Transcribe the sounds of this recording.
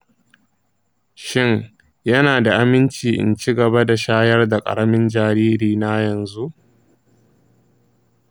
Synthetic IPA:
ʃɪ˦ŋ | jɐ˦naː˨da˨ʔa˦mɪ˦nt͡ʃiː˨ʔɪ̰˨nt͡ʃi˦ɡɐ˨ba˦da˨ʃaː˦jɐ˦rda˨kʼɐ̰˨ɾɐ˦mɪ˦nd͡ʒaː˨ɾiː˦ɾiː˨na˦jɐ˨nzu˦ʔ

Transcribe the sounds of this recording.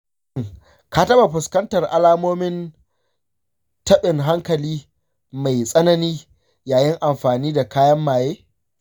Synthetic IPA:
ŋ | kaː˦tɐ˦ba˨ɸʊ˨skɐ˦ntɐ˨rʔa˨laː˦moː˦mɪ˦n | tɐ˦ɓɪ˨ŋɦa˦ŋkɐ˨liː˦ | ma˨jsʼɐ˦nɐ˦niː˦ | jaː˨jɪ˦ŋʔa˨mɸaː˨niː˦da˨kaː˦jɐ˦mːaː˨jeː˦

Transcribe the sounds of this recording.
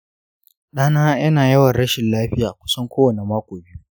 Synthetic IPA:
ɗaː˦naː˦jɐ˦naː˨jɐ˦wɐ˨nɽɐ˦ʃɪ˨nlaː˦ɸɪ˦jaː˨kʷʊ̥˦sɐ˦ŋkʷoː˦wɐ˨ne˨maː˦kʷoː˨bɪ˦ju˦

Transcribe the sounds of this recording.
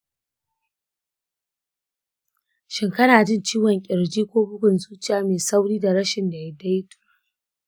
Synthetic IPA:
ʃɪ˦ŋkɐ˦naː˨d͡ʒɪ˦nt͡ʃiː˦wɔ˨ŋkʲʼɪ˨ɽd͡ʒiː˦kʷoː˦bʊ˦ɡʷʊ˨nzuː˦t͡ʃɪ˦˨jaː˦meː˨sa˦wɽiː˦da˨ɾɐ˦ʃɪ˨nda˨ja˦da˦jtu̥˨

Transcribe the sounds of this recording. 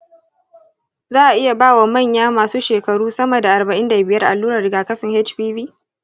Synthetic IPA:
zaː˦ʔa˨ʔɪ˦ja˨baː˦˨wa˨mɐ˦˨ɲjaː˦maː˨suː˦ʃeː˨kɐ˨ɽuː˦sɐ˦mɐ˨da˨ʔa˨bɐ˨ʔɪ˦nda˨bɪ˨jɐ˦rʔa̰˨lːuː˦ɾɐ˨rɪ˨ɡaː˨kɐ˦ɸɪ˨ŋhɛ˦t͡ʃɸiː˦biː˦

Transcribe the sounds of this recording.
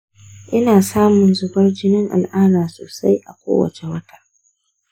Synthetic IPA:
ʔɪ˦naː˨saː˦mʊ˨nzʊ˨bɐ˦rd͡ʒɪ˦nɪ˦ŋʔa̰˨lʔaː˦naː˨so̰ː˨sa˦jʔa˨kʷo̰ː˦wɐ̰˨t͡ʃe˨wɐ˦tḁː˨

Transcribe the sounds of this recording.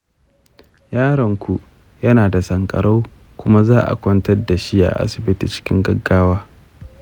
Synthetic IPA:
jaː˦ɽɐ˨ŋkʷʰu˨ʔ | jɐ˦naː˨da˨sɐ˨ŋkʼɐ̰˨ɽa˦w | kʷʊ˦ma˦zaː˦ʔa̰˨kʷɔ˦ntɐ˦rda˨ʃi˦ʔa̰˨ʔa̰˦sɪ˨bɪ˦tiː˨t͡ʃɪ̥˦kʲɪ̰˦ŋɡɐ˦ɡːaː˦waː˦

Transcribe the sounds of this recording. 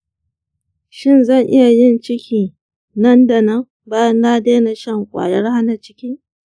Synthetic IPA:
ʃɪ˦nzɐ˦˨ŋʔɪ˦ja˨jɪ˦˨nt͡ʃɪ˦kʲʰiː˨ | nɐ˦nda˨nɐ˦m | baː˦jɐ˦nːaː˦deː˦na˨ʃɐ˦˨ŋkʷʼa̰˨jɐ˦rha˦na˨t͡ʃɪ˦kʲiː˦

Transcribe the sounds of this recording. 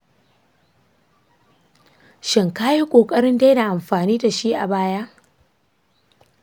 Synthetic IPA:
ʃɪ˨ŋkaː˦ji˦kʷʼoː˨kʼɐ˦ɽɪ˦nda˦jda˨ʔa˨mɸaː˨niː˦da˨ʃiː˦ʔa˨baː˦ja˦ʔ

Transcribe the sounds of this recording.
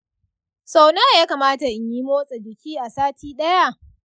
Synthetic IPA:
sa˨wna˦˨jaː˦kaː˨maː˦ta˨ʔɪ˨˦ɲji˦moː˦sʼe˨dɪ˨kʲiː˦ʔa˨saː˦tʰiː˦ɗɐ˦ja˦˨ʔ

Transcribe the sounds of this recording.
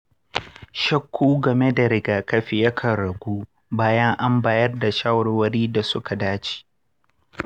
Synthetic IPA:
ʃɐ˦kʷːuː˦ɡɐ˨me˦da˨ɾɪ˦ɡaː˨kɐ˦ɸɪ˨jɐ˦kʰɐ˨ɽɐ˨ɡʷuː˦ | baː˦jɐ˦ŋʔa˦mbaː˨jɐ˦rda˨ʃa˦wɽwɐ˦ɾiː˦da˨sʊ˦ka˨daː˦t͡ʃi̥˨

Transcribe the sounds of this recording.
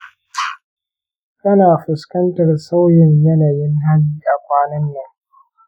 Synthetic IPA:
kʼɐ˦naː˨ɸʊ˨skɐ˦ntɐ˨rsa˦wjɪ˨ɲjɐ˦na˨jɪ˦ŋɦa˦ɲiː˦ʔa˨kʷaː˦nɪ˦nːeː˦

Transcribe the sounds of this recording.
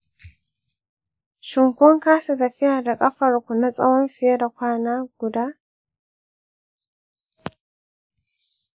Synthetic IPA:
ʃɪ˨ŋkʷɔ˦ŋkaː˦sa˨tɐ˨ɸɪ˦jaː˨da˨kʼɐ˦ɸɐ˨rkʷu˨na˦sʼɐ̰˦wɔ˦mɸɪ˨je˦da˨kʷaː˦naː˦ɡ̥ʷʊ˨daː˦

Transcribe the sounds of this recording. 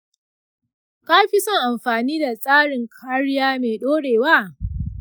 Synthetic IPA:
ka˦ɸi˦sɐ˦ŋʔa˨mɸaː˨niː˦da˨sʼaː˦ɽɪ˨ŋkʰaː˦ɽɪ˦jaː˦meː˨ɗoː˦ɽeː˨waː˦˨

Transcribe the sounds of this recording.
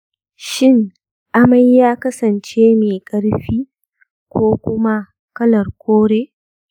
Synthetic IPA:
ʃɪ˦˨ŋ | ʔa˦mɐ˦jːaː˦kɐ˦sɐ˨nt͡ʃeː˦meː˨kʼɐ˦ɽɸiː˦ | kʷoː˦kʷʊ˦ma˦ | kɐ˦lɐ˨rkʷoː˦ɽeː˦

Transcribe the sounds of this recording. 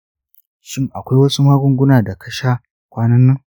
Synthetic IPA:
ʃɪ˦˨ŋʔa˨kʷa˦jwɐ˦su˦maː˦ɡʷʊ˦ŋɡʷʊ˦naː˨da˨kʰɐ˦ʃa˦ | kʷaː˦nɐ˦nːɐ˦ŋ

